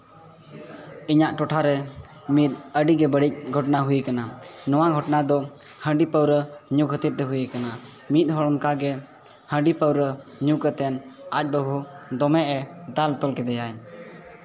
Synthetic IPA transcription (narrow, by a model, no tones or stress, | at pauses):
iɲaʔʈɔʈʰaɾɛ | mit̪̚əɖiɡɛbəɽic̚ɡʱɔʈnaɦujikananɔwaɡʱɔʈnad̪ɔ | hə̃ɖipəwɾəɲukɦət̪it̪̚t̪ɛɦujəkana | mit̪̚ɦɔɽɔŋkaɡɛ | hə̃ɖipəwɾəɲukət̪ɛnac̚ˀbəbʱud̪ɔmɛʔɛd̪alt̪ɔlkɛd̪ɛjaɲ